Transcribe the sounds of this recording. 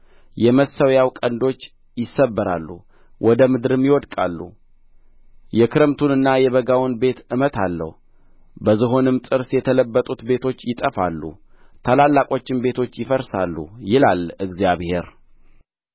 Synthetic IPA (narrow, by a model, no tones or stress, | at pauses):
jɛməsəwjawkʼənd̪o̞t͡ʃː | jɪsːəbːəɾa̰lːṵ | wʔɔd̪əmɨd̪ɨɾɨmjɪwɔd̪kʼa̰lːṵ | jɛkʰɨɾɨmt̪ʰunɨnːajɛβəɡawnbe̞t̪ɨmət̪ʰalːə̰hu | bəzɨɦo̞nɨmt̪ʼɨɾsjɛt̪ʰələbːət̪ʼut̪be̞t̪ʰo̞t͡ʃːjɪt̪ʼəfalːṵ | t̪ʰalalːakʼo̞t͡ʃːɪmbe̞t̪ʰo̞t͡ʃːjɪfəɾsalːṵjɪlalɨɡzijaβhe̞ɾ